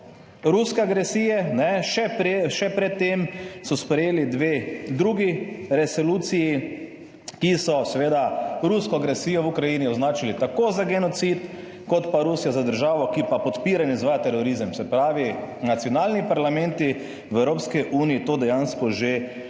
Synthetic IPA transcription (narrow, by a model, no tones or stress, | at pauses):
ɾuskɛaɡɾɛsiːjɛnɛʃɛpeʃɛpɾɛt̪ːemsɔspɾɛjeːlid̪ʋeːd̪ɾuɡiɾɛsɔluːt̪siji | kisɔsɛʋeːd̪aɾuskɔaɡɾɛsiːjɔwukɾajiːniɔznaːt͡ʃilit̪akozaɡɛnɔt̪sit̪ | kɔt̪paɾuːsijazad̪əɾʒaːʋɔkipapɔt̪piːɾanizʋaːjat̪ɛɾɔɾizəmsɛpɾaːʋinat̪sjɔnaːlnipaɾlamɛ̃nt̪i | wɛwɾoːpskiʔuːniit̪oːd̪ɛjanskɔʒe